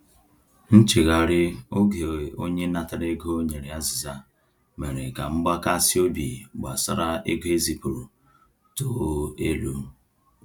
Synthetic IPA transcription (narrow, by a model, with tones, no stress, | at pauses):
n̩˦t͡ʃi˨ɣa˨ɾɪ˦o˦ɡe˨o˦ɲe˦na˨ta˨ɾe˦ɡo˦o˦ɲe˨ɾe˨a˦zɪ˨za˦ | me˨ɾe˨ka̰˨ŋ͡m̩˦ɡ͡ba˦ka˦si˦o˦bi˨ɡ͡ba̰˨sa̰˦ɾa˦e˦ɡe˦zi˨pu˨ɾu˨ | to˨˦e˦lṵ˦